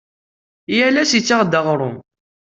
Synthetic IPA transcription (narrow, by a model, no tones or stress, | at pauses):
jælæsit͡sːaʁd̪əʁɾˤʊ